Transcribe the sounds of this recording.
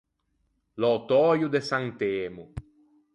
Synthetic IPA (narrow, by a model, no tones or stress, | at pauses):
lɔt̪ɔːjud̪esaŋt̪eːmu